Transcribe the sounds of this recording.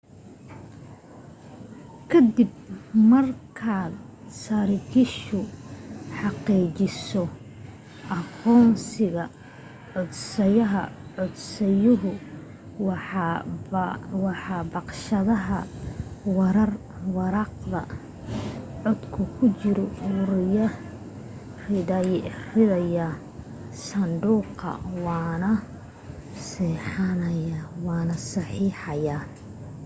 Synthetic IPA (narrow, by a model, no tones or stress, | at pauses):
kʰɐd̪ɪb̚mɐrkʰaːd̪sɐɾɪkʰɪʃʊ | ħɑqiːt͡ʃɪsɔ | ʔɑqɔːnsɪɣɐ | ʕɔd̪sɐjɐɦɐ̰ʕɔd̪sɛjʊɦʊ | wħ | wɑħɑbɑqʃɐðɐɦɐ | wɑɾɐr | wɑɾɑqðɐ̰ | ʕɔd̪kʰʊkʰʊt͡ʃɪɾɔwʊɾɪjɐ | rɪdɐjrɪðɐjɐ | sɐnd̪uːqɐ̰wɑːnɐ | sɛːħɑnɐjawɑːnɐsɑħiːħɑjaː